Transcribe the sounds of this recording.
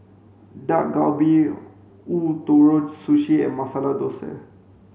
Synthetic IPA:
daʔɡawbi | ut̪oɹod͡ʒsuʃiɛ̰masalad̪osɛ̰

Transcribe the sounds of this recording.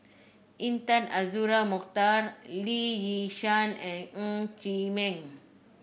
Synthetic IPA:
ʔĩnt̪ãnazuɾamukt̪arlijiʃãnɛ̃nũt͡ʃimɛ̃ŋ

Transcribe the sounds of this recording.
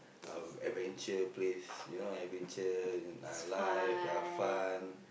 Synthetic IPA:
a̰mɛ̰vɛ̃nt͡ʃəplesjunoɛvɛ̃nt͡ʃəa̰lajfafan

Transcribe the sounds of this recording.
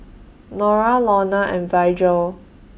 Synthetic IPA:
nɔɹalɔnaʔɛ̃nvajd͡ʒəl

